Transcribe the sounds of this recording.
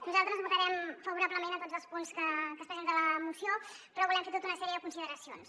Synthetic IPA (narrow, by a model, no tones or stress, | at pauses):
nuzalˠt̪ɾəzβut̪əɾɛmfəβuɾabləmenət̪od͡zəlˠspunskəkəst̪aʒind̪ələmusiopɾɔβulɛmfet̪ot̪unəsɛɾiəðəkunsiðəɾəsions